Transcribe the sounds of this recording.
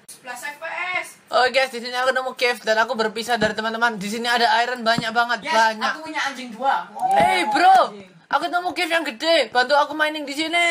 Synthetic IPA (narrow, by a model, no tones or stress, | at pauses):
sʔoɡasdisiniakunəmukɛfdanakubərpisadaɾit̪əmant̪əmandis̬iniadaaiɾanbaɲak̚baŋət̪̚baɲakupuɲaand͡ʒɪŋduaehbəɾo | ʔakunəmukɛfjaŋɡədeb̥ant̪uakumainɪŋdis̬ini